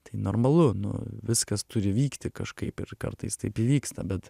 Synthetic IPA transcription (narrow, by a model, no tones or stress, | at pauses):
t̪ɐɪnoːrmɐlˠʊnʊ̰ʋʲɪskɐst̪ʊɾʲɪʋʲiːkt̪ʲɪkɐʃkɐɪpɪ̰rkɐ̰rt̪ɐɪst̪ɐɪpiʋʲiːkst̪ɐbʲɛt̪